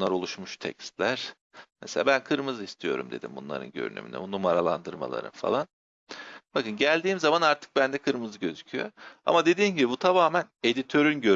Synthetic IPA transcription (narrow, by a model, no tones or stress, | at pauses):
unlˠaɾo̞lˠuʃmuʃt̪ʰɛ̰cst̪lʲæɾ̥ | meselʲaːbænkʰɯɾmɯzɯist̪ʰijo̞̰ɾṵmd̪e̞d̪ḭmbunlˠa̰ɾɯ̰nɟø̰ɾy̰ny̰my̰nɛ̰bunumaɾalˠa̰nd̪ɯɾma̰lˠa̰ɾɯ̰nfa̰lˠan | bakɯnɟælʲd̪iːmzamanaɾt̪ʰɯ̥k̚bænd̪ɛkʰɯɾmɯzɯɟø̞zycʰyjo̰a̰mad̪e̞d̪iːnɟibibut̪ʰamaːmæne̞d̪it̪ʰø̞ɾynɟø